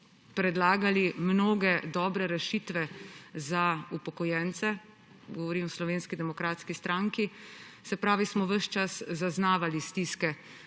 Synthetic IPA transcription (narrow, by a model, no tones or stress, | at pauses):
pɾɛd̪laːɡalimnoːɡɛd̪ɔːbɾɛɾɛʃiːt̪ʋɛzaupɔkɔjɛːnt̪sɛ | ɡɔʋɔɾimɔslɔʋeːnskid̪ɛmɔkɾaːt̪skist̪ɾaŋki | sɛpɾaːʋismɔʋəʃt͡ʃaszaznaːʋalist̪iskɛ